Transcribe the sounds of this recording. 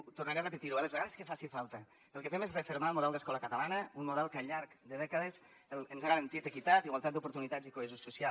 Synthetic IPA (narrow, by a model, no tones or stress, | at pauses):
t̪urnaɾearəpət̪iɾualəzβeɣaðeskəfasifalˠt̪ə | əlˠkəfɛmezrefeɾmalˠmuðɛlˠd̪əskɔləkət̪alanəunmuðɛlˠkəʎaɾkd̪əðɛkəðez | ələnzaɣəɾənt̪it̪əkit̪at̪iɣwalˠt̪at̪d̪upuɾt̪unit̪ad͡zikoezususia